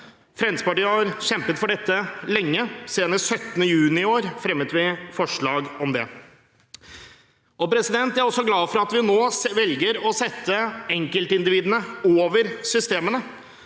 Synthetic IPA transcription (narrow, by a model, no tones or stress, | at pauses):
fɾɛnspɑʈiːəhɑɾɕɛmpət̪fɔɖɛt̪ːəlɛŋːəseːnəsœt̪ːənəjʉːnɪoːɾfɾɛmːət̪ʋɪfɔʂɭɑːɡɔmd̪ɛ | ɔpɾɛsɪd̪ɛnt̪æɾɔsːɔɡlɑːfɔɾɑt̪ʋɪnoːʋɛlɡəɾɔsɛt̪ːəɛŋkəlt̪ɪnd̪ɪʋiːd̪ənəoːʋəɾsʏst̪eːmənə